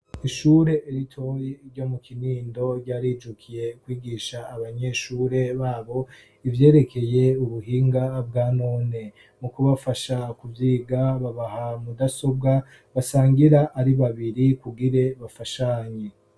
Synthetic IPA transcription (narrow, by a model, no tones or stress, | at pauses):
iʃuːɾe̞ʔːɾitʰo̞jeɾɟo̞mukiniːndo̞ɟaːɾiːd͡ʒukʰije̞kwiːɡiːʃaːβaɲe̞ʃuːɾe̞βaːβo̞ | ivje̞ːɾe̞kʰe̞je̞uβuhiːŋɡab̚ɡaːnoːne̞ | mukuβafaʃakuvjiːɡaβaβahamudaso̞b̚ɡa | βasaːŋɡiɾaʔːɾiβaβiɾikuɡiɾe̞βafaʃaːɲe